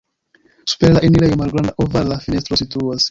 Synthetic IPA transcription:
su̥peɾlaʔiniɾajomalɡɾand̪aʔovaɾlafinest̪ɾosituas

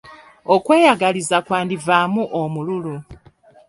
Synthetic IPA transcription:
okweːjaɡalizakwaːndivamuʔomululu

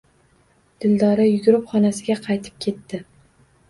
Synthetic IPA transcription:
d̪̥ɪld̪ɒɾajʊɡʲʊɾɪpχɒnasɪɡʲaqʰɑjt̪ʰɪ̥p̚kʲʰe̞t̪ːɪ

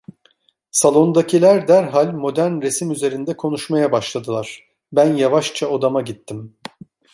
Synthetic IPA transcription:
salˠo̞nd̪acʰilʲæɾd̪æɾɦalʲmo̞d̪ænɾe̞simyze̞ɾind̪ɛkʰo̞n̪uʃmajabaʃlˠad̪ɯlˠaɾ̥ | bænjavaʃt͡ʃʰaod̪amaɟit̪ʰːim

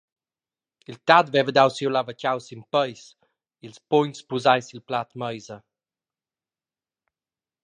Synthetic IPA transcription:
ilt̪ad̪vɛvəd̪awsiwlavəcawsimpəjs | ilspɔɲspuzajsilplat̪məjzə

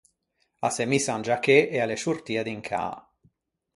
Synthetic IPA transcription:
asemisand͡ʒakeʔɛaleʃurt̪iːad̪iŋkʰa̰ː

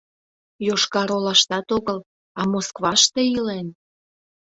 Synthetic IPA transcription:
joʃkɑɾolɑʃt̪ɑt̪oɣəl | ɑmoskβɑʃt̪eilen

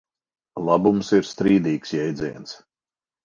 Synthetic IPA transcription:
lˠabumsiɾst̪ɾiːd̪iːksjɛjd̪ziɛns

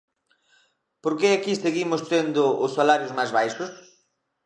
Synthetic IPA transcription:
poɾkeakiseɣimʊst̪end̪ʊʊsːalaɾjʊzmajzβajʃʊs

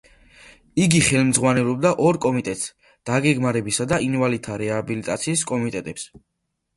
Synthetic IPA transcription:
iɡiχɛlˠmd̪zʁwanɛlˠɔb̚d̪aʔɔɾkʼɔmit̪ʼɛt̪ʼs | d̪̥aɡɛɡmaɾɛbisad̪ainvalit̪ʰaɾɛabilit̪ʼa̰t̪sʰiːskʼɔmit̪ʼɛt̪ʼɛps

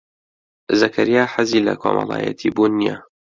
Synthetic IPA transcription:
zɐkʰɐɾijaːħaziːlɐkʰoːmɑlˠaːjɐ̰t̪ʰiːbuːnːija

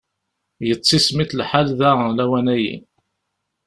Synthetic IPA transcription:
jət͡sˤːismiθlħalðælæwænæjḭ

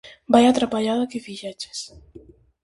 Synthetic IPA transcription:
bajat̪ɾapaʎaðakefiʒɛt͡ʃe̥s

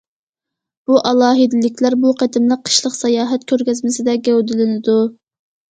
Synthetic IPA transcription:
b̥uʔɑlˠɑːɦɨd̪ɪlɪkʲʰlæɾbuqʰæd̪ɪmlˠəqʰːə̥ʃlˠəqsɑjɑːɦɛt̪̚kʲʰøɾkʲɛzmɪsɪd̪ɛɡʲɛwd̪ɪlɪnɪd̪u

